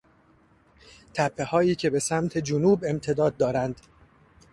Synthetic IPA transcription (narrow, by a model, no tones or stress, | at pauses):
t̪ʰæpʰːe̞hɒːiːcʰe̞be̞sæmt̪ʰe̞d͡ʒonuːbe̞mt̪ʰe̞d̪ɒːd̪ːɒːɾænd̪̥